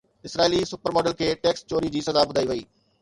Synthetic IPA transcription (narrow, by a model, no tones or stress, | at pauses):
ɪsɾaːilisʊpəɾmɔːɖəlkʰeːʈeːkst͡ɕoːɾid͡ʑiːsɐzabʊd̪ʱaːiʋɐiː